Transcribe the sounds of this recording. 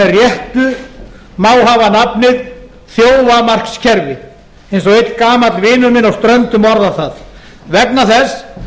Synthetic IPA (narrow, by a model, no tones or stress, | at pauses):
ɛrjɛht̪ʏ | maːwɦavanapnɪð | θjoːwvamar̥kscʰɛɾvɪ | ejnsɔɣejt̪lkaːmat̪lvɪːnʏmɪnawst̪ɾœnt̪ʏmɔɾðaθað | vɛk̚naθɛs